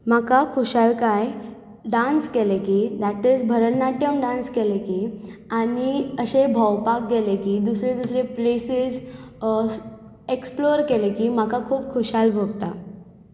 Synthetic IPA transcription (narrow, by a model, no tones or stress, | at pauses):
makakʰoɕalkaj | ɖãnskelekid̪aʈid͡zbʱəɾəɳːaʈjəmɖãnskelekianiəɕebʱəwpak̚ɡelekid̪usɾed̪usɾeplesiz | eksploɾkelekiːmakakʰuːbkʰoɕalbʱoɡt̪a